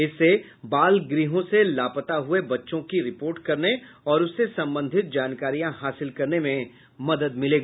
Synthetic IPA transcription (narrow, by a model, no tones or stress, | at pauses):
ɪsːe | baːlɡɾiːɦõselaːpət̪aɦʊebɐtːʃõkiɾɪpoːɾʈkɐɾne | ɔːɾʊsːesɐ̃mbə̃nd̪ʱɪt̪̚d͡ʒaːnkaːɾijãɦaːsɪlkɐɾnemẽ | mɐd̪əd̪mɪleːɡa